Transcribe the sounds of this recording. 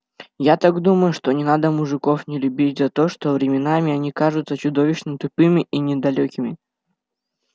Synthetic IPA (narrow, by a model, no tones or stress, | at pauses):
jat̪aɡd̪uməjʊʂt̪o̞nʲɪnad̪əmʊʐɨko̞fnʲɪlʲʊbʲit̚ʲzɐt̪o̞ʂt̪o̞vɾʲɪmʲɪnamʲɪɐnʲikaʐʊt̪sət͡ɕʊd̪o̞vʲɪɕnət̪ʊpɨmʲɪʔinʲɪd̪ɐlʲokʲɪmʲɪ